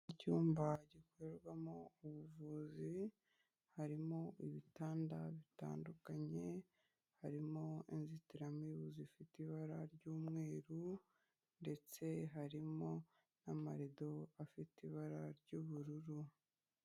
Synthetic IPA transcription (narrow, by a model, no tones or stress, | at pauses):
icuːmbaɟikoeɾɡwamouβuvuzi | haɾimo̞ʔiβitaːndaβita̰ːndukaɲe̞ | haɾimo̞inzitiɾamiβuzifitiβaɾaɾɟuːmŋe̞ːɾu | nde̞t͡se̞ɦaɾimo̞ | namaɾido̞afitiβaɾaɾɟuβuɾuɾu